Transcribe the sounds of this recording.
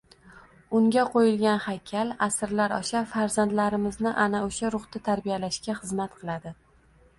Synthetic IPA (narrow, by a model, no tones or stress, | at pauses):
ʊŋɡʲaqʰojɪlɡʲanhakʲʰalasɾlaɾɒ̰ʃafaɾzant̪laɾɪmɪznɪʔanaoʃaɾʊχt̪at̪ʰaɾbijalaʃkʲaχɨzmat̪̚qʰɨlˠad̪ɪ